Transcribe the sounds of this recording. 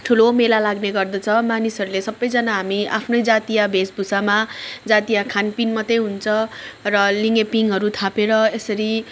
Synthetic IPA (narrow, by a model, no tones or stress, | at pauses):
ʈʰulomelalaɡneɡʌrd̪ʌt͡sʰʌmanisʌɾulesʌbːʌjd͡zʌnaɦamia̰pʰnʌjd͡zat̪ijabʱesbʱusamad͡zat̪ijakʰanpinmʌt̪ejɦunt͡sʰʌ̃rʌliŋepiŋɦʌɾut̪ʰapeɾʌesʌɾi